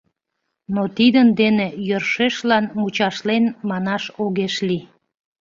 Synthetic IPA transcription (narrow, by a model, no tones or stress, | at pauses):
not̪id̪ənd̪enejørʃeʃlɑnmut͡ɕɑʃlenmɑnɑʃoɣeʃli